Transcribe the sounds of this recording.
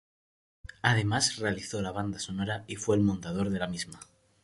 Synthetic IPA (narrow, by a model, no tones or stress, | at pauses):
að̞e̞masre̞aliθo̞laβ̞and̪aso̞noɾaifwe̞ːlmont̪að̞o̞ɾðe̞lamizma